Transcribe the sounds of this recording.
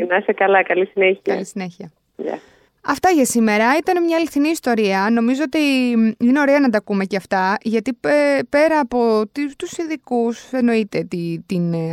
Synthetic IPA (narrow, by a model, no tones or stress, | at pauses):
inɐsekɐlɐkɐlisineçiɐlisine̞çiɐ | ʎɐ̰ | ɐft̪ɐʝɐsime̞ɾɐit̪ɐne̞mɲɐeliθiniːst̪o̞ɾiɐno̞mizo̞ot̪iine̞o̞ɾe̞ɐnɐt̪ɐkume̞ceɐft̪ɐʝɐt̪ipe̞ɾɐːpo̞t̪it̪usinðikuse̞no̞it̪e̞t̪it̪in